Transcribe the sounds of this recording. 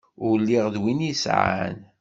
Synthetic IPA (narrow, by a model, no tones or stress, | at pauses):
ʊɾlːiʁðwinisʕa̰n